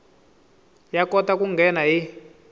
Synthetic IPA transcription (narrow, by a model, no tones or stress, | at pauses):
jakɔtakuŋɡʱɛnaɦi